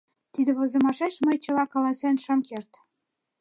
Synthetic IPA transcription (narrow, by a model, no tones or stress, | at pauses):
t̪id̪ɘ̆βŏzɤ̆mɑʃæʃməjt͡ɕɤ̆lɑkɑlɑsænʃɑ̆mkert̪